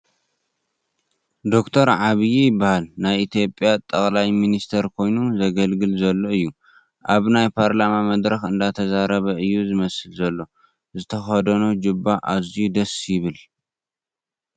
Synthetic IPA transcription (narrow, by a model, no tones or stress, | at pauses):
d̪o̞kt̪ʰɐɾʕaβɨjijɪbːahalnajʔit̪ʰijo̞pʼjat̪ʼɐχʼlajminist̪ʰɐɾkʰo̞jnuzɐɡɐlɡɨlzɐlːo̞ɨjːu | ʔaβnajpʰaɾlamamɐd̪ɾɐxɨnd̪at̪ʰɐzaɾɐβɐʔɨjːuzɨmɐsɨlzɐlːo̞ | zɨt̪ʰɐxɐd̪ɐnod͡ʒɨbːaʔaziud̪ɐsjɪβɨl